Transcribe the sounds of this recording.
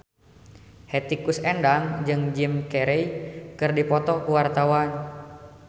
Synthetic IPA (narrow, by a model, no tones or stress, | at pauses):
hɛt̪ikusɛndaŋd͡ʒɨŋd͡ʒimkɛɾɛjkɨrdipɔt̪ɔkuwart̪awan